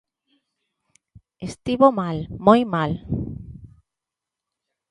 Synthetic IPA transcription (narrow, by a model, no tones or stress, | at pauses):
est̪iβomalmojmal